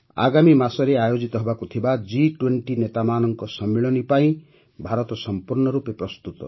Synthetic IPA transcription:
a̰ɡamimasɔɾeajod͡ʒit̪ɔɦɔbakut̪ʰibad͡ʒiʈweɳʈinet̪amanɔŋkɔsɔmːiɭɔnipaĩ | bʱaɾɔt̪ɔsɔmpuɾɳɔɾupepɾɔst̪ut̪ɔ̰

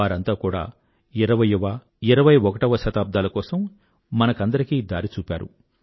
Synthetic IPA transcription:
aːɾɐnt̪aːkuːɽa̰ː | iɾɐʋɐjiʋɐ | iɾɐʋɐjɔkɐʈɐʋɐʃɐt̪aːb̚d̪ʱaːlɐkɔːsɐmː | ɐnɐkɐnd̪ɐɾikiːd̪aːɾit͡ʃuːpʲa̰ːɾṵ

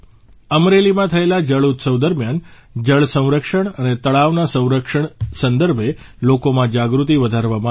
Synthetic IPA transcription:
əmɾelimãt̪ʰəelad͡ʒəɭut̪səʋd̪əɾmjan | d͡ʒəɭsə̃w̃ɾəkʂəɳənet̪əɭaʋnasə̃w̃ɾəkʂəɳ̃sənd̪əɾbʱe | lokomãd͡ʒaɡɾut̪iʋəd̪ʱaɾʋamã

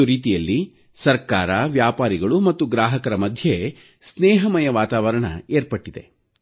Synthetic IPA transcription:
uɾiːt̪ijɐlːi | sɐɾkaːɾɐʋjaːpaːɾiɡɐɭumɐt̪ːuɡɾaːɦɐkɐɾɐmɐd̪ʱje | snɛːɦɐmɐjɐʋaːt̪aːʋɐɾɐɳɐ̰eːɾpɐʈːid̪e̞̰

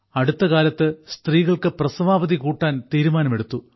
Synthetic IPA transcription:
ɐɽut̪ːɐkaːlɐt̪ːɨst̪riːɣɐɭkɨprɐsɐʋaːbɐðikuːʈːaːnt̪iːɾumaːnɐme̞ɽut̪ːu

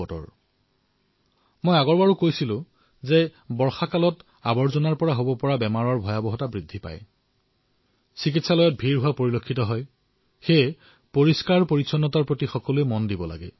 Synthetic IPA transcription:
ɔtɔ̰ɹ | mojaɡɔɹbaɹukojsilʊ̃ | zebɔɹxakalɔt | abɔɹzɔnaɹpɔɹaɦobɔpɔɹabɛmaɹɔɹbʱɔjabɔɦɔtabɹidʱːipa̰j | sikitsalɔjɔt̚bʱiɹɦʊwapoɹilokʰːitɔɦɔj | xe | poɹiskaɹpoɹitsɔnːɔtaɹpɹotixɔkɔlujmɔndibɔla̰ɡɛ̰

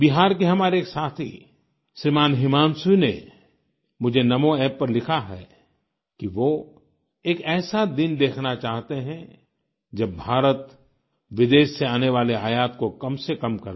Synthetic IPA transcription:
biɦaːɾk̬eɦɐmaːɾeːksaːt̪ʰḭ | ʃɾimaːnɦɪmaːnsinḛ | mʊd͡ʒʱenɐmoɛːpːɐɾlɪkʰaɦɛ | kiʋoː | eːkɛːsad̪ɪnd̪eːkʰnat͡ʃaːɦt̪eɦɛ̃ | d͡ʒɐbːʱaːɾət̪ | ʋɪd̪eːʃseaːneʋaːleaːjaːt̪kokɐmsekɐmkɐɾ

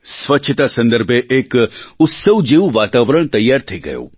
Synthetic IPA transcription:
sʋɐtːʃʰət̪asɐ̃nd̪əɾbʱeʔeːkʊt̪səʋd͡ʒeːʋʋaːt̪aːʋɾəɳ̃t̪ɐjːaːɾt̪ʰɐiɡɐ̰jo̰ː

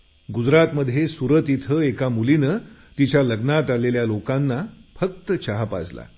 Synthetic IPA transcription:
ɡud͡zɾat̪məd̪ʱjesuɾət̪it̪ʰəekamulinət̪it͡ɕjaləɡnat̪aleljalokanːafək̚t̪ət͡ɕaɦapa̰d͡zla̰

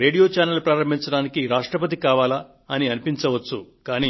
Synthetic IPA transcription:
ɾe̞ːɽijo̞ːt͡ʃaːnɐlupɾaːɾɐmbʱint͡ʃɐɽaːnikiɾaːʂʈɾɐpɐt̪̬ikaːʋaːlɐ | ɐniɐnipint͡ʃɐʋɐt͡ʃːukaːni

